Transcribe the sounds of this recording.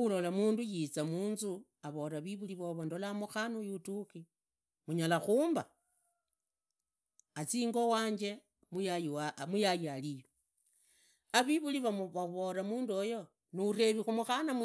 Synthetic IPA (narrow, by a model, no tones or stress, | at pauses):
ulo̞lamuːndujit͡samuːnzu | aβo̞ɾaβiβuliβoβondolamuxanujutuki | muɲalaxuːmba | t͡siːŋɡo̞waːɲd͡ʒe̞ | mujamujajalijo | aβiβuliβaβaβo̞ɾamuːnduojo | nure̞βixumuxanam